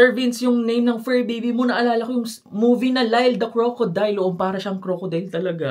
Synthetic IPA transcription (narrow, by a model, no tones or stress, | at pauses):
ɛɹvɪnsjʊŋnejmnɐŋfɛɹbijbimonɐʔɐlaːlɐkojʊŋs | muːvinɐlajld̪ɐkɹoːkod̪ajlːoʔompaːɾɐʃɐɐŋkɾoːkod̪ɐlt̪ɐlɐɡa